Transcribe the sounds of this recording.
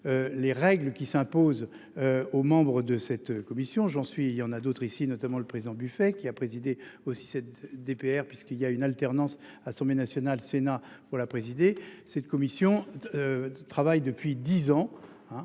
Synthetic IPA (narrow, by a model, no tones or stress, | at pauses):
øleʁɛɡləkʲisɛ̃poz | omɑ̃bʁəd̪əsɛt̪kɔmisjɔ̃ʒɑ̃sɥieljɑ̃nad̪ot̪χisinɔt̪amɑ̃ləpχezid̪ɑ̃byfɛkʲiapχezid̪eosi̥sɛt̪̚d̪epeɛʁpɥiskiljaynalt̪ɛʁnɑ̃sasɑ̃blenasjɔnalsenapuʁlapχezid̪esɛt̪kɔmisjɔ̃ | t̪χavajd̪əpɥid̪izɑ̃ | ɛ̃